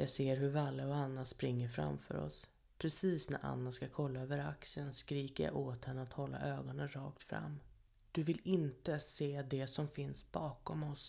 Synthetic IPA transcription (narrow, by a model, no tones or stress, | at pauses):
jɑːɡseːɾɦɵɾvalːəɔanːaspɾɪŋːəɾfɾa̰mfœɾɔ̰s | pʰɾɛsiːsnæ̰ɾʔa̰nːaskakʰɔlːaøːvəɾa̰ksənskɾiːkəɾja̰ʔoːt̪hɛnːəat̪hɔlːa̰ʔøːɡɔnənɾɑ̰ːkt̪fɾa̰mː | d̪̥ɵvɪlɪnt̪əseːd̪ɛsɔmfɪnsb̥ɑːkɔmɔs